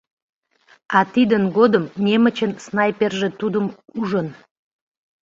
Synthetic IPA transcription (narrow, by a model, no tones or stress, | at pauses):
ɑt̪id̪ənɡod̪əmnʲemət͡ɕənsnɑjperʒĕt̪ud̪əmuʒən